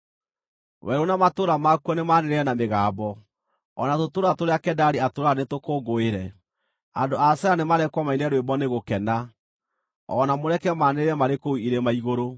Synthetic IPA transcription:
wɛɾonamatoɾamakwɔnemaneɾeɾɛnameɣaːbɔ | ɔnatotoɾatoɾeakɛdaɾiatoɾaanetokoːɡoeɾɛ | andoasɛɾanemaɾɛkwɔmainɛɾoebɔneɣokɛna | ɔ̰namoɾɛkɛmaneɾeɾɛmaɾekouiɾemaiɣoɾo

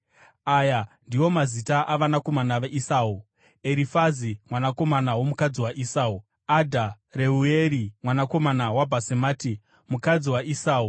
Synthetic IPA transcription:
aːjandiwo̞mazitaʔaʋanako̞manaʋeʔisaːwu | e̞ɾifazimwanako̞manawo̞mukad͡ziwaʔisaːu | adʱa | re̞ueɾimwanako̞manawabʱasemaːti | mukad͡ziwaʔisaːu

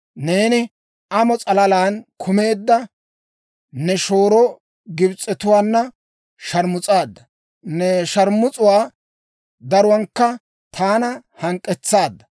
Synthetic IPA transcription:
neːnɪ | ɐmɔt͡sʼɐlɐlaːnkʰʊme̞ːd̪ːɐ | nɛʃo̞ːɾɔ | ɡɪbt͡sʼːɛt̪ʊwaːnːɐ | ʃɐɾmʊt͡sʼaːd̪ːɐ | nɛʃɐɾmːʊt͡sʼʊwaː | d̪ɐɾʊwɐŋkːɐ | t̪ʰaːnɐhɐŋkʼːɛt͡sːaːd̪ːɐ̥

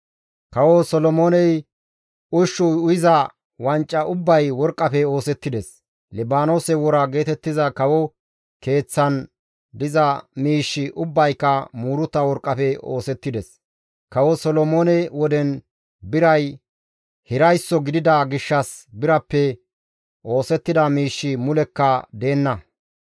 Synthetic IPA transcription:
kɐwɔsɔlɔmoːnɛj | ʊʃːɔʊjɪzɐ | wɐnt͡ʃʼːɐʔʊbːɐjwɔɾkʼːɐpɛo̞ːsɛt̪ːɪd̪ɛs | lɛbaːno̞ːsɛwɔɾɐɡe̞ːt̪ɛt̪ːɪzɐkɐwɔ | ke̞ːt͡sːɐn | d̪ɪzɐmiːʃːɪʔʊbːɐjkːɐmuːɾʊt̪ːɐwɔɾkʼːɐpɛo̞̰ːsɛt̪ːɪd̪ɛs | kɐwɔsɔlɔmoːnɛwɔd̪ɛn | bɪɾɐj | hɪɾɐjsːɔɡɪd̪ɪd̪ɐɡɪʃːɐsbɪɾɐpːɛ | ʔo̞ːsɛt̪ːɪd̪ɐmiːʃːɪmʊlɛkːɐd̪e̞ːnːɐ

